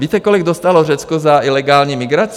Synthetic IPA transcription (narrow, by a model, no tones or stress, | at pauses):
viːt̪ɛkolɪɡd̪ost̪alɔrɛt͡skɔzailɛɡaːlɲiːmɪɡɾat͡s